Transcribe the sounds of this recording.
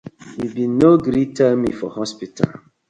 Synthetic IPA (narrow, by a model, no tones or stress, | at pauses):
hibinoɡɾitamifɔ̰hɔspitʰa̰l